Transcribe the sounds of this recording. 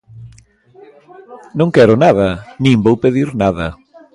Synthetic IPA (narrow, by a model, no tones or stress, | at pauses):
nõŋkɛɾʊnaðɐnĩmbowpeðiɾnaðɐ